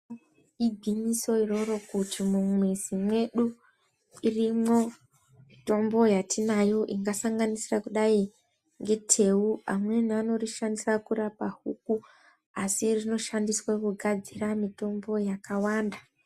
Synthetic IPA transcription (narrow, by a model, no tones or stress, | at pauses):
iɡʱwiɲiso̞iro̞ɾo̞kutimumwezimwe̞ɗu | irimo̞ | mito̞mbo̞jatinajo̞ʔiŋɡasaŋɡanisirakuɗai | ŋɡe̞tʰe̞ua̰mwe̞niano̞riʃandisakurapahuku | asirino̞ʃandiswakuɡʱad͡ziramito̞mbo̞jakawaːnda